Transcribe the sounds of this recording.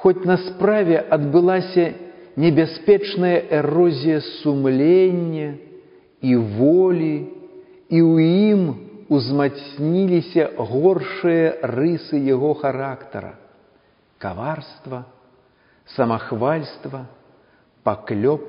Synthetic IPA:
xɔt͡sʲnɐspɾavʲɛʔɐd̪bɨlˠasʲɐnʲɛbʲasʲpʲɛt͡ʂnɐjɐʔɛrɔzʲijɐsumlʲenʲːɐ | ivɔlʲi | iwjimuzmasʲnʲilʲisʲɐɣɔrʂɨjɐrɨsɨjaɣɔxaɾakt̪ɐ̰ɾɐ̰ | ka̰varst̪vɐ | sɐmaxvalʲst̪vɐ | paklʲɔp̚

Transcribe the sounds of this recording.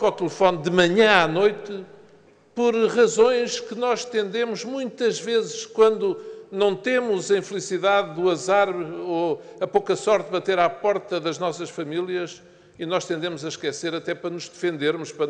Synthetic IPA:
kɔt̪ɨlˠɨfɔnd̪ɨmɐɲɐ̃anojt̪ɨ | pɔɾʁɐzõj̃ʃkɨnɔʃt̪ẽnd̪emuʒmũj̃t̪ɐʒvezɨʃkwɐ̃nd̪unɐ̃w̃t̪emuzɐĩflˠisiðaðuɐzaɾβo | ɐpokɐsɔɾt̪βɐt̪eɾapɔɾt̪ɐðɐʒnɔsɐʃfɐmilˠjɐʃ | inɔʃt̪ẽnd̪emuzɐʃkɛseɾɐt̪ɛpɾɐnuʒðɨfẽnd̪eɾmuʃpɾɐ

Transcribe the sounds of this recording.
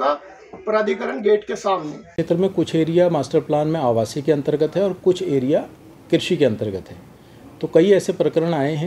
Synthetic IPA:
ka | ɐpɾaːd̪ʱikəɾəɳɡeːʈkesaːmnẽeːt̪ɾəmẽkʊt͡ʃʰeːɾijamaːsʈəɾplaːnmẽaːʋaːsikeɐ̃nt̪əɾɡət̪ɦɛ̃ɔːɾkʊt͡ʃʰeːɾija | kɪɾʃikeɐ̃nt̪əɾɡət̪ɦɛː | t̪okɐiɛːsepɾəkəɾəɽ̃aːeɦɛ̃

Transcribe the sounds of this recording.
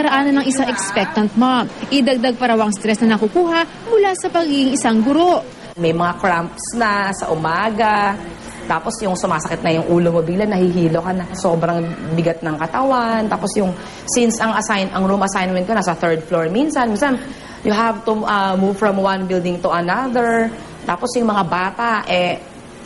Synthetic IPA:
kɐɾɐʔaːnɐnɐŋʔɪsaŋʔɛkspɛk̚t̪ɐnt̪̚moʔɪd̪ɐɡ̚d̪aɡ̚pɐɾɐwɐŋst̪ɾɛsnɐnɐkukuːɦɐʔ | mʊlasɐpɐɡiɡɪŋɪsaŋɡʊɾo̞ʔ | mɐjmɐŋakɹampsnɐsɐ̰ʔʊmaːɡɐ | t̪aːpo̞sjʊŋsʊmaːsɐkɪt̪̚nɐjʊŋʔuːlomobɪɡlanːɐhiɦiːlokanɐso̞ːbɾɐŋbɪɡɐt̪̚nɐŋkɐt̪ɐwant̪aːposjʊŋ | sinsɐŋɐsajnʔɐŋɹumʔɐsajnmɛn̚konɐsɐθɛɹd̪̚floɹminsɐnminsan | jʊɦavt̪uʔɐmuv̥fɹɐmwɐ̃nbɪld̪ɪŋt̪uʔɐnaðɛɹ | t̪aːpo̞sjʊŋmɐŋabaːt̪aʔɛ

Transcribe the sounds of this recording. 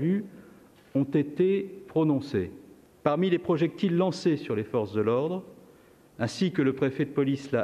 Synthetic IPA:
vy | ɔ̃t̪et̪epχɔnɔ̃se | paʁmilepχɔʒɛk̚t̪ilːɑ̃sesyʁlefɔʁsd̪əlɔʁd̪ʁ | ɛ̃sikələpχefɛd̪əpɔlisla

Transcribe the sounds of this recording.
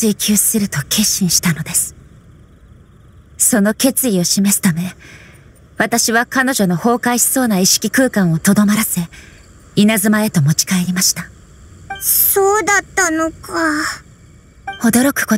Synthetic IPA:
ɨikʲʰɨ̥ːsɨɾɯ̟t̪o̞kʲʰe̞ɕːĩɰ̃ɕi̥t̪ano̞d̪e̞sɨ̥ | so̞no̞ke̞t͡sɨio̞ɕime̞sɨ̥t̪ame̞ | βat̪aɕiβakano̞ʑo̞no̞ho̞ːkaiɕi̥so̞ːnaiɕi̥kʲikɯ̟ːkãɰ̃o̞t̪o̞d̪o̞maɾase̞ | inazɨmae̞t̪o̞mo̞t͡ɕi̥kae̞ɾʲimaɕi̥t̪a | soːd̪at̪ːanoka | o̞d̪o̞ɾo̞kɯ̟̥ko

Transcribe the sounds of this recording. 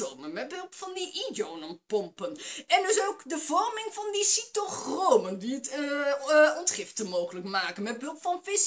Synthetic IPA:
owmənmɛt̚bɵlˠpfɑndiʔidownənpɔmpənɛndɵsowkdəvɔrmɪŋvɑndisitoχrowməndiət | ɔntχɪftəmowχələkmaːkənmɛt̚bɦɵlˠpfɑnvɪs

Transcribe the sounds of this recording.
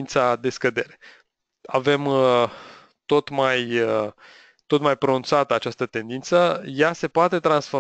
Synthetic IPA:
nt̪sad̪e̞skəd̪e̞ɾe̥ | ave̞m | t̪o̞t̪maj | t̪o̞t̪majpɾo̞nunt̪sat̪əat͡ʃast̪ət̪e̞nd̪int̪səjase̞poat̪e̞t̪ɾansfo

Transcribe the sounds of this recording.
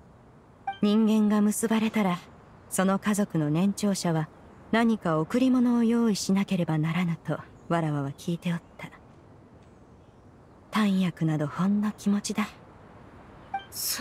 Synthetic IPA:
ɲ̟ĩŋɡẽ̞ŋɡamɯ̟sɨbaɾe̞t̪aɾa | so̞no̞kazo̞kɯ̟no̞nẽ̞ɲ̟t͡ɕo̞ːɕaβa | naɲ̟ikaokɯ̟ɾʲimo̞no̞ːjo̞ːiɕinake̞ɾe̞banaɾanat̪o̞ | βaɾaβaβakʲʰiːt̪e̞ot̪ːa | t̪ãɰ̃jakɯ̟nad̪o̞hõ̞nːokʲimo̞t͡ɕid̪a

